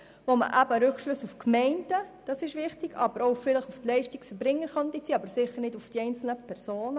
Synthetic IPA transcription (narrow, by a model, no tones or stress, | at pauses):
vomə̰ʔæbəɾʉkʃlʉsufkmɛɪnd̥əd̥ɑsɪʃʋɪχtiɡɑ̰b̥əɾoʊfɪləχuftlɛɪʃtiksfəɾbɾɪŋːəɾχɑnd̪it͡siːɑbəɾsɪχːəɾnɪdufd̥iɛɪnt͡sl̩nəpʰɛɾsoːnə